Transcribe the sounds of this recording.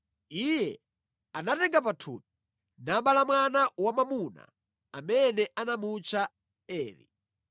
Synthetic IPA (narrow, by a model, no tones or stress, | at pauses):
ijɛ | anatɛŋɡap̬atʰṵːt̚i̥ | nambalamwanawamamuna̰ | amɛnɛʔanamut͡ʃʰa | ɛːɾḭ